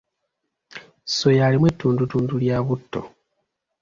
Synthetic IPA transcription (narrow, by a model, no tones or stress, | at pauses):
so̞jalimwetːuːndutuːnduljaːβutːo̰